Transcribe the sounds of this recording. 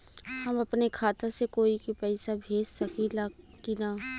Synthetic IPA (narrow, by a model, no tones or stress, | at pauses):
hɐmɐpnekʰaːt̪asekoːikipɛɪsabʱeːd͡ʒsɐkilaːkinaː